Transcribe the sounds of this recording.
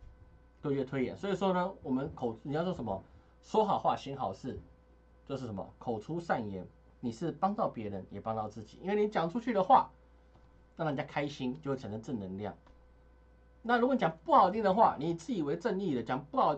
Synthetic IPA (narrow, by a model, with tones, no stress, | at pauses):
kɤ˥˧ɥɛ˥˩t̪ʰwe˥ɪjɛ̰˨˩˦nswɔ˥i˨˩ʂwɔ˥nə˧wɔ˨˩mə˦nkʰo˨˩ʊni˨jɑ˥˧jo˥˩ʂə˧˦mə˧ | ʂwɔ˥xɑ˨˩ʊxwa˥˩ɕi˥nxɑ˨˩ʊʂɻ̩˥˩ | t͡ɕjo˥˧ʂɻ̩˥˩ʂə˧˦mə̰˨˩kʰo˨˩ʊʈ͡ʂʰu˥ʂa˥˩njɛ˧˥n | ni˨˩ʂɻ̩˥˩pɑ˥ŋt̪ɑ˥˩ʊpjɛ˧˥ɻə˧˦njɛ˨˩pɑ˥ŋt̪ɑ˥˧ʊt͡sɹ̩˥˩t͡ɕi̥̰˨˩˦ḭ˥nwe˥˩˨ni˧˥t͡ɕjɑ˨˩ŋʈ͡ʂʰu˦˥t͡ɕʰy˥˩d̪ə˨˩xwa̰˥˩ | na˥˩˨t͡ɕa˥˩kʰa˥ɪɕi˥njo˥˧xwe˥˩a˧˥nə˧˥ʈ͡ʂɻ̩˥˩nə˧˥ŋljɑ̰˥˩ŋ | na˥˩˨ɻu˧˥kɔ˧ni˨jɑ˨˩ŋpu˥˩xɑ˨˩ʊt̪i˥˩ŋd̪ə˩xwa̰˥˩ni˨˥˨t͡sɹ̩˥˩i˨˩we˧ɪʈ͡ʂə˥˧ni˥˩d̪ə˩t͡ɕjɑ˨˩ŋpu˥˩xɑ˨˩ʊ